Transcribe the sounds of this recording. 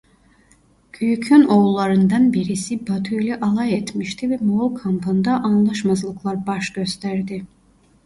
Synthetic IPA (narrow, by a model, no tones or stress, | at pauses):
yjycʰønoulˠːaɾɯnd̪anbiɾisibat̪ʰyjlʲɛʔalˠajɛt̪miʃt̪ʰivɛmokʰampʰɯnd̪aʔanlˠaʃmazlˠɯklˠaɾbaʃɟ̥øst̪ʰæɾd̪ɪ